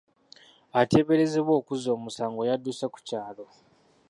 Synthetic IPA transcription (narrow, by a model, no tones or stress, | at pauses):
ate̞βe̞ɾe̞zeβwo̞ːkuzo̞ːmusaːŋɡo̞jadːusaku̥caːlo̞